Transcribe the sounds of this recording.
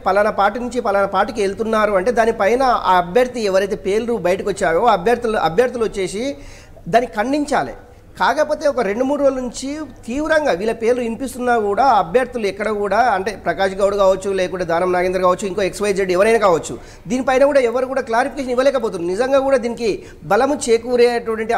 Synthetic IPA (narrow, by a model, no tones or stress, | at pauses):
pɐlanɐpaːɾʈinuɲt͡ʃipɐlanɐpaːɾʈikelt̪unːaːɾuɐɳʈe̞ːd̪aːnipɐjnɐaːɐbjɐɾt̪iɛʋɐɾɐjt̪̬e̞ːpe̞ːlɾubɐjɐʈɐkot͡ʃːaːjoːɐbʱjɐɾt̪ulɐ̰bʱjɐɾt̪uluot͡ʃːe̞ːs̬i | d̪aːnːikikɐɳɖiɲt͡ʃaːlḭ | kaːkɐpo̞ːt̪e̞ɔkɐɾe̞ɳɖumuːɽuʋɐlnuɲt͡ʃit̪iːʋɾɐŋɡaːʋiːlɐpe̞ːlɾuimpist̪unːaːkuːɽaːɐbʱjɐɾt̪uluɛkːɐɽɐkuːɽaːɐɳʈe̞ːpɾɐkaːʃɐɡɐwɽukaːʋɐt͡ʃːulɛːkuɳɖaːd̪ʱaːnɐmnaːɡend̪ɾɐkaːʋɐt͡ʃːuiŋko̞ːeksʋɐjd͡ʒɾeɖiɛʋɐɾɐjnaːkaːʋɐt͡ʃːṵ | d̪iːnipɐjnɐkuːɽaːɛʋːɐɾukuːɽaːklaːɾipʰikeʃ̬ɐniʋːɐlɛːkɐpoːt̪und̪inizɐŋɡaːkuːɽaːd̪iːniki | bɐlɐmut͡ʃe̞ːkuːɾeːɐʈʋɐʈɐɳʈi